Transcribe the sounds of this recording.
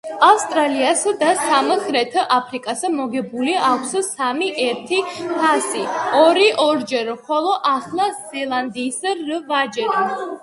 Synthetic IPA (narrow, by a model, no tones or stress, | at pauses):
afst̪ʼɾaliasd̪asamχɾɛt̪ʰʔapʰɾikʼasɛmɔɡɛbuliakʷʰssamiʔɛɾt̪ʰipʰasiɔɾiʔɔɾd͡ʒɛɾχɔlˠɔʔaχlˠaz̥ɛlˠand̪iːsɾvad͡ʒɛɾ